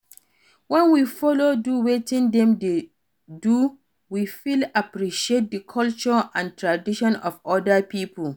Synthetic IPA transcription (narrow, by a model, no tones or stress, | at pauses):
wɛ̃nwifɔloduwetĩndɛ̃mde | du | wifilapɾiʃiet̚dəkʰɔlt͡ʃɔãntʰɹadiʃɔ̃nɔfɔdapipʰəl